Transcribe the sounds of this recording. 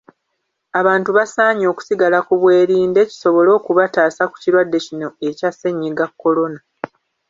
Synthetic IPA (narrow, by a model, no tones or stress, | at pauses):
aβaːntuβasaːɲo̞ːku̥siɡalakuβwe̞ːɾiːnde̞ci̥so̞βo̞lo̞ːkuβataːsaku̥ciɾwadːe̞cino̞e̞case̞ɲːiɡakːo̞lo̞na